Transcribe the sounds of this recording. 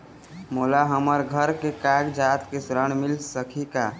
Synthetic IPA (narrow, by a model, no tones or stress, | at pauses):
molaɦəməɾɡʱəɾkekaɡd͡ʒat̪kesɾəɳ̃milsəkʰika